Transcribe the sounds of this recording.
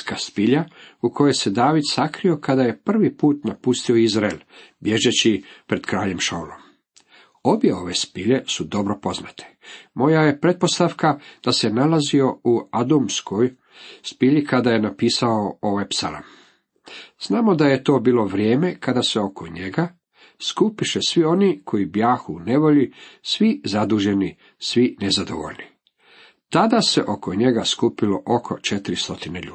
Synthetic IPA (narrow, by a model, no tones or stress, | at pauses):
kaspiʎauko̞jese̞d̪aːʋid̪sakɾio̞kad̪ajepr̩ʋipuːt̪napust̪io̞izɾael | bje̞ʒet͡ɕipɾe̞d̪̥kɾaːʎemʃolo̰m | o̞bje̞o̞ʋe̞spiʎe̞sud̪o̞bɾo̞po̞zna̰t̪ʰe̥mo̞jaje̞pɾe̞t̪̚po̞st̪afkad̪̥ase̞nalazio̞uad̪umskʰoj | spiʎikad̪aje̞napiːsaooʋepsa̰la̰m | z̥naːmo̞d̪ajet̪o̞ːbiːlo̞ʋɾjeːme̞kad̪aseo̞kʰoɲeɡa | skupiʃesʋio̞nikʰo̞ibjaːxune̞ʋo̞ʎisʋizad̪uːʒe̞ni | sʋinezad̪o̰ʋo̰ʎni | t̪ad̪asḛʔokoɲe̞ɡaskupilo̞ʔokʰo̞t͡ʃe̞t̪iɾist̪o̞t̪ineʎuː